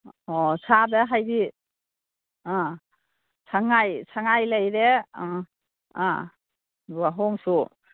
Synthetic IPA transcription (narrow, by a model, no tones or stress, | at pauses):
ɔsabeɦajbi | ã | sʰaŋajsʰaŋajlajɾe | a̰ | waɦɔŋsu